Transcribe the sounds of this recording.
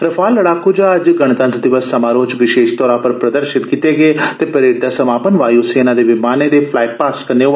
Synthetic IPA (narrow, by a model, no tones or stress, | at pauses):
ɾəpʰaːlːəɽaːkuːd͡ʒaːəd͡ʒɡəɽ̃t̪ãːt̪d̪ɪʋəsːəmaːɾoːt͡ʃʋɪʃeːʃt̪ɔːɾãːpəɾpɾəd̪əɾʃɪt̪kit̪eːɡeːt̪eːpəɾeːɖd̪aːsəmaːpənʋaːjoseːnãːd̪eːʋɪmaːnẽːd̪eːpʰlaːɪʈ̚paːskəneː